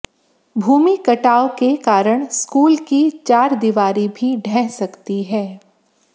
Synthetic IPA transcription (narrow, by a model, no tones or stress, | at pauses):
bʱuːmikɐʈaːokekaːɾəɽ̃skuːlkit͡ʃaːɾd̪iʋaːɾibʱiɖʱɛ̃ːsɐkt̪iɦɛː